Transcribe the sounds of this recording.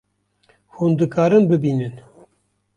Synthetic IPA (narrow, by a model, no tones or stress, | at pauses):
huːnd̪ɨkɑːɾɨnbɨbiːnɨn